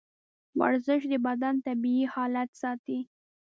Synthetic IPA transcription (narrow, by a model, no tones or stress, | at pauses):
wa̰ɾzəʃ̬d̪əbad̪ant̪abiihɑlat̪sɑt̪i